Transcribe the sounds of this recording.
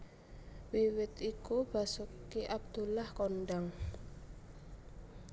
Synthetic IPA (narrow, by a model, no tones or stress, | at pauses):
wiwɪt̪ikub̥a̤sukiʔab̚d̪̥ṳlahkonɖaŋ